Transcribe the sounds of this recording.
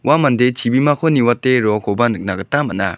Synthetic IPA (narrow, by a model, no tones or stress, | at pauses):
wamandet͡ʃʰibimakʰɯniwatːeɾɔkʰɔbanɯk̚naɡɯtːamana̰